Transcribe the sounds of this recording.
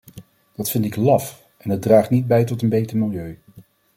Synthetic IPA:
d̥ɑtfɪndɪklɑf | ɛnədraːχtnid̚bɛjtɔtənbejtəɹmɪlˠjøɥ

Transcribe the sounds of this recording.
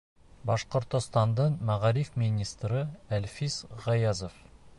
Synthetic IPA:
bɑʃqŏɾt̪ŏst̪ɑnd̪əɴmæʁɑɾifminʲist̪ɾəælfizʁɑjɑzof

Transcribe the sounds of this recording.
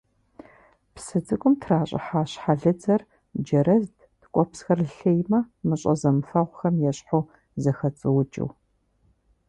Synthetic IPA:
psɨd͡zɨkʷʼʊmtʰraːɕʼɪ̰ħaːɕħaɮɨd͡zɐr | d͡ʒɐɾɐzd | tkʷʼɔpsxɐrɬejmɐmɨɕʼɐzɐmɨfɐʁʷxɐmjɛɕħow | zɐxɐt͡sʼɨwt͡ʃʼɪ̰w

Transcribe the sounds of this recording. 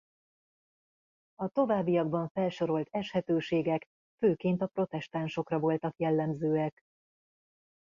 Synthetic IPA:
ɒt̪o̞vaːbːijɒɡ̚bɒɱfɛlʃo̞ɾo̞lt̪ɛʃhɛt̪øːʃeːɡɛk | føːkeːnt̪ɒpro̞t̪ɛʃt̪aːnʃo̞krɒvo̞lt̪ɒkjɛlːɛmzøːɛk

